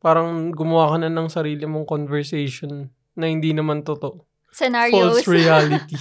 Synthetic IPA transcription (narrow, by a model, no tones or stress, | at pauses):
paːɾɐŋɡʊmɐwaːkɐnɐnɐŋsɐɾiːlɪmoŋkonvɛɹsɛjʃonː | ɐhɪnd̪inɐmant̪ot̪o̞ʔ | sɛnapolsɹijaːlɪt̪i